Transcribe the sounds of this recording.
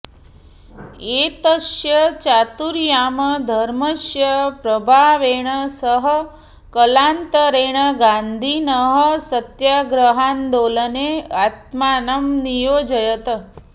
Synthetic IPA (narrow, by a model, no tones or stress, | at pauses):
et̪əʃjət͡ʃat̪uɾjaməd̪ʱəɾməʃjəpɾəbʱaʋeɳ̃əsəɦə | kəlant̪əɾeɳ̃əɡãnd̪ʱinəɦəsət̪jaɡɾəɦand̪oləneat̪maːnɐmnijoːd͡ʒəjət̪ə